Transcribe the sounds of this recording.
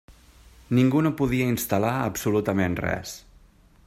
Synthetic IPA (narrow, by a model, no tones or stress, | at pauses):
niŋɡunopuðiəinst̪əlaə̰psulut̪əmenrɛ̰s